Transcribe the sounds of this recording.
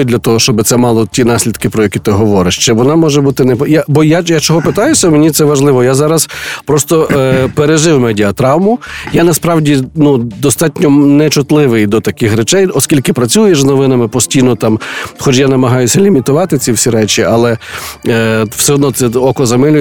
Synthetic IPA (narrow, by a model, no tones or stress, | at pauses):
ʊd̪ʲlʲɐt̪ɔɦɔʃt͡ʃɔbɪt̪sɛmɑlˠɔtʲinɑsʲlʲid̪kɪpɾɔjɐkʲit̪ɪɦɔʋɔɾɪʃt͡ʃɛʋɔnɑmɔʒɛbut̪ɪnɛpjabɔjajat͡ʃɔɦɔpɪt̪ɑjʊsʲɐumenʲit̪sɛʋɐʒlˠɪʋɔjazɑɾɐspɾɔst̪ɔʔpeɾeʒɪwmɛdʲiɐt̪ɾɑwmʊjanɐspɾɑwdʲinud̪ɔst̪ɑtʲnʲɔnɛt͡ʃʊt̪lˠɪʋɪjd̪ɔt̪ɐkɪxɾet͡ʃɛjɔskʲilʲkɪpɾɐt͡sʲujeʃznɔʋɪnɐmɪpɔsʲtʲijnɔt̪ɑmxɔt͡ʃjanɐmɐɦɑjʊsʲɐlʲimʲit̪ʊʋɑt̪ɪt͡sʲiwsʲiɾɛt͡ʃiʔɐlˠɛ | w̥sɛɦɔd̪nɔt̪sɛɔkɔzɐmɪlʲʊj